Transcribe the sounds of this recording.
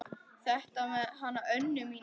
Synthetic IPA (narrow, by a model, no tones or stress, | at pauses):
θɛht̪amɛðɦanːaʔœnːʏmin